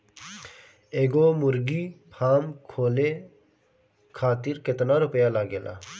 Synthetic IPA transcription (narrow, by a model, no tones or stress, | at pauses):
eːɡoːmʊɾɡiːpʰaːmkʰoːleː | kʰaːt̪ɪɾkɪt̪naːɾʊpəjaːlaːɡeːla̰ː